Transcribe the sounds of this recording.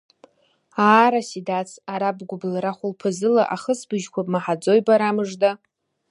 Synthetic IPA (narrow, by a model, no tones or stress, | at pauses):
aːɾasidat͡sʰaɾabɡʷʊblaɾaχʷʊlpʰɨzɨlaʔaχəsbɨʒkʷapʼmaħad͡zo̞jbaɾamɨʐda